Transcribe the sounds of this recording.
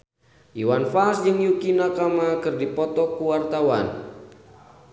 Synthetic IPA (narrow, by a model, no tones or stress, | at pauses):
ʔiwanfalsd͡ʒɨŋjukinakamakɨrdipɔt̪ɔkuwart̪awan